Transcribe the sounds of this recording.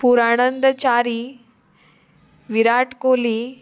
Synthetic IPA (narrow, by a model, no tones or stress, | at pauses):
puɾaːɳənd̪ət͡ɕaɾi | ʋiɾaʈkoːli